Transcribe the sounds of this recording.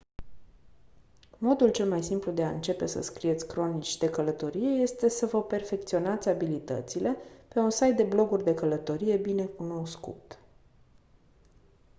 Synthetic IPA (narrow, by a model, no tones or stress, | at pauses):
mo̞d̪ult͡ʃe̞lmajsimplud̪e̞aɨ̰nt͡ʃe̞pe̞sə̰skɾie̞t̪sʲkɾo̞nit͡ʃʲd̪e̞kələt̪o̞ɾije̞je̞st̪e̞səvəpe̞rfe̞k̚t̪sio̞nat̪sʲabilit̪ə̰t̪sile̞pe̞unsajt̪̚d̪e̞blo̞ɡurʲd̪e̞kələt̪o̞ɾije̞bine̞kuno̞wskṵt̪